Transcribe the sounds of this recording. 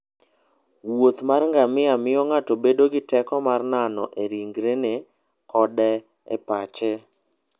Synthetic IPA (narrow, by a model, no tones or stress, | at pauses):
wot̪marŋɡamɪamɪjɔŋatobedoɡɪtɛkɔmarnanɔ̰ʔeɾiŋɡɾene | kɔdɛ | ɛ̰pat͡ʃɛ